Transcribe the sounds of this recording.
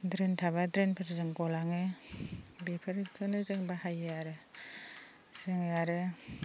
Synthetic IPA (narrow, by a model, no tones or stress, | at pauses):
dɾentʰaβadɾenpʰɯɾzɯŋɡɔlaŋɯ | bepʰɯɾkʰɯnɯzɯŋbahajaɾɯ | zɯŋaɾɯ